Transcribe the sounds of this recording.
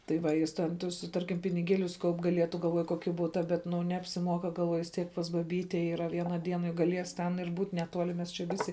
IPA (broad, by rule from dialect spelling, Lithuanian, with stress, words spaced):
tɐɪ ˈʋɐ ˈjɪs ˈtʲɛn ˈtʊs ˈtɐrʲkʲɪm pʲɪnʲɪˈɡʲiɛlʲʊs ˈkɐʊp ɡɐˈlʲiɛtʊ ɡɐlˠˈʋoːjʊ ˈkoːkʲɪ ˈbʊtɐ ˈbʲɛt ˈnʊ nʲɛɐpʲsʲɪˈmuɔkɐ ɡɐlˠˈʋuɔjʊ ʋʲɪs ˈtʲiɛk pɐs bɐˈbʲiːtʲɛ iːˈrɐ ˈʋʲiɛnɐ ˈdʲiɛnɐ jʊk ɡɐˈlʲiɛs ˈtʲɛn ɪr ˈbuːt nʲɛˈtuɔlʲɪ mʲɛs t͡ʃʲɛ ˈʋʲɪsʲɪ